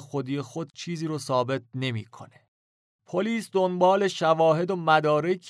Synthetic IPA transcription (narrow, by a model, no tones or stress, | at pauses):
xod̪iːjexo̞d̪̥̚t͡ʃʰiːziːɾɔːsɒːbe̞t̪̚ʰne̞mḭːkʰo̞̰ne | pʰoliːsd̪onbɒːle̞ʃævɒːɦe̞d̪omæd̪ɒːɾekʰ